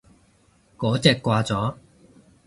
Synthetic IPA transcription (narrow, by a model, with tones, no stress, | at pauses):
kɔː˨˥t͡sɛː˧kʷːwaː˧t͡sɔː˨˥